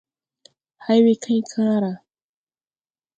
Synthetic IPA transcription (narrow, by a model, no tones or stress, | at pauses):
hajwɪkʰajkʰaɾa